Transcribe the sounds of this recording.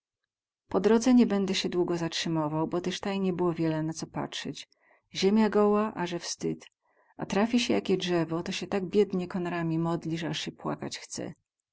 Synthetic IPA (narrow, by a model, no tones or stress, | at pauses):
pɔd̪ɾɔd̪zɛɲɛbɛnd̪ɛɕɛd̪wuɡɔzatʂɘmɔvawbɔt̪ɛʂt̪ajɲɛbɘwɔvʲjɛlɛnat̪sɔpa̰tʂɛt͡ɕ | ʑemʲjaɡɔwaʔaʐɛfst̪ɘt̪ | a̰t̪ɾafʲiɕɛjakʲɛdʐɛvɔt̪ɔɕɛt̪aɡ̚bʲjɛd̪ɲɛkɔnaɾamʲimɔd̪lʲiʐɛaʂɕɛpwa̰ka̰t͡ɕxt̪sɛ̰